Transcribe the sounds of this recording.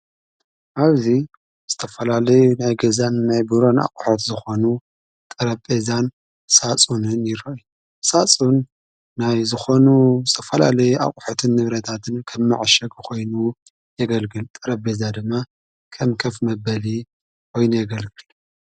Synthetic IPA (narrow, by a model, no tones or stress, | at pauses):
ʔaβzi | z̥ɨt̪ʰɐfɐlalɐjunajɡɐzanːajbɨɾo̞na̰kʼuħot̪zɨxo̞nu | t̪ʼɨɾɐbezan | sat͡sʼunɨnjɪɾɐʔi | sat͡sʼunː | ajzɨxo̞nuzɨt̪ʰɐfɐlalɐjuʔa̰kʼu̥ħot̪ʰɨnːɨβɾɐt̪ʰat̪ʰɨnkʰɐmːa̰ʕaʃɐɡkʰo̞jnu | jɛɡɐlɡɨlt̪ʼɨɾɐbbezad̪ɨmːa | kʰɐmkʰɐfmɐbɐli | kʰo̞jnujɛɡɐlɡɨl